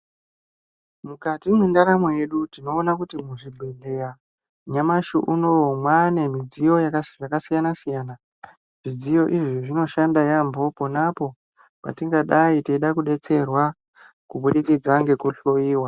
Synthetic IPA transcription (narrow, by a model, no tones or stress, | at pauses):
mukatimwendaɾamo̞je̞ɗutino̞ːnakutimuʐibʱeɮe̞ja | ɲamaʃṵʔunomwane̞mid͡zijo̞jakʐakasijanasijaːna | ʐ̥id͡zijo̞ʔiʐiʐino̞ʃandajambo̞ponapo̞ | pa̰tiŋɡaɗaiteiɗakuɗe̞t͡se̞rwa | kuɓuɗikid͡zaŋɡe̞kuɬoiːwa